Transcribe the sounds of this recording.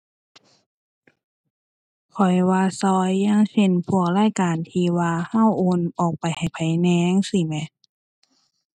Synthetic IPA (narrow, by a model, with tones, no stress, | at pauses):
kʰɔ˨˩jwaː˧sɔː˧jːa˧˥˩ŋse˧˨npʰu˧˩ək̚laː˧˥˨jkaː˨nt̪ʰiː˧waː˧ha˧˥˩wʔoː˧nʔɔː˨˩k̚pa˨jha˨˩jpʰa˨˦jnɛː˧˦ŋsi˧˩mɛ˧˦